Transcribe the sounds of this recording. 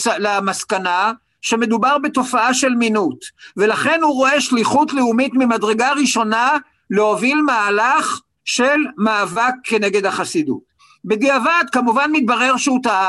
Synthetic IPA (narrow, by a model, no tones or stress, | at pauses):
lamaskana | ʃe̞me̞d̪ubaʁbe̞to̞faaʃe̞lminutve̞laχe̞nhuʁo̞e̞ʃliχutleumitmimadʁeɡaʁiʃo̞na | lehovilmaːlaχ | ʃe̞lmaːvakʰːe̞ne̞ɡedhaχasidṵt̚ | bediavad̪kamuvanmit̪̚baʁe̞ʁʃeuta